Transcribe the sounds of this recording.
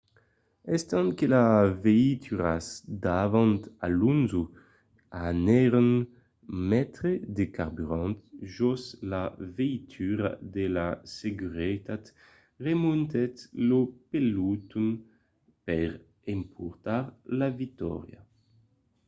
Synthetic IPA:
ɛst̪ankelaveit̪ʰyʁa̰zd̪avant̪a̰lunzu | anɛʁen | mɛt̪ɾed̪ekaɾbyɾãnt̪ʒɔslaveit̪ʰyɾa̰d̪elaseɡyʁet̪at̪ | ʁemunt̪ɛt̪lopelut̪un | pɛʁ | empʰuɾt̪aɾlavik̚t̪ɔ̰ʁja̰

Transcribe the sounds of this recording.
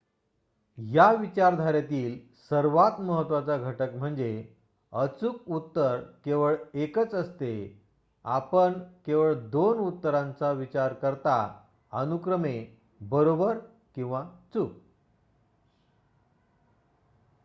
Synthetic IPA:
jaʋit͡ɕaɾd̪ʱaɾjat̪iːl | səɾʋat̪məɦət̪ʋat͡saɡʱəʈəkm̤əɳd͡ze | ət͡suk̚ut̪ːəɾkeʋəɭekət͡səst̪e | a̰pəɳkeʋəɭd̪onut̪ːəɾãnt͡saʋit͡ɕaɾkəɾt̪a | ənukɾəme | bəɾobəɾ | kĩw̃ʋat͡suk̚

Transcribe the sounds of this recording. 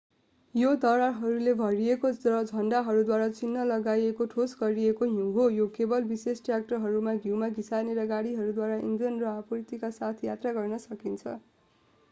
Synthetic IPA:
jod̪ʌɾaɦʌɾulebʱʌɾiekoʌd͡zʱʌɳɖaɦʌɾud̪waɾat͡sinːʌlʌɡajekoʈʰosɡʌɾiekoɦũɦojokebʌlbisesʈrjak̚ʈʌrɦʌɾumaɡʱiwmaɡisaneɾʌɡaɽiɦʌɾud̪waɾaʔiŋɡɾʌnrʌapurt̪ikasat̪ʰjat̪raɡʌrnʌsʌkint͡sʰʌ̰

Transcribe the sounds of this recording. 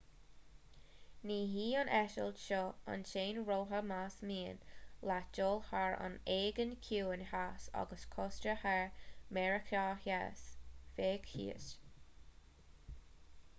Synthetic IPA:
niːɦiːənʔɛʃə̰ldʃɔa̰nʃeːnɹoːɦəmasmiːənlad͡ʒoːlhaɹa̰neːɡənkʰuːənhasa̰ɡəskʰɔstɾəhɛɹmɛɹəkʰaːhjɛsfeːɡ̥hḭːə̰s

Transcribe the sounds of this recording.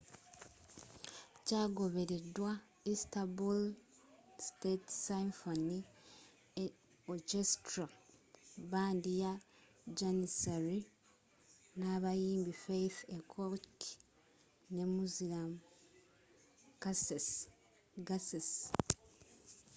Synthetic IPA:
caːɡo̞βe̞ɾedwa | istabul | stetsiɱfoni | okestɾa | baːndija | d͡ʒanisaɾi | naβajiːmbifejfekʰok | ne̞muziam | kas | ɡases

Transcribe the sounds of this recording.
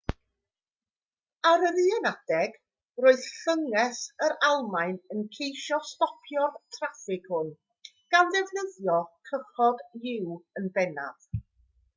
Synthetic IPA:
aɾəɾɨɛnad̥ɛɡ̥ | roːɨð̥ɬəŋɛsəɾalˠmajnənkʰejʃɔstɔpʰjɔtʰrafɪɡ̥hʊn | ɡ̥andɛvnəðjɔkʰəχɔdjɪwənbɛna̰ð̥

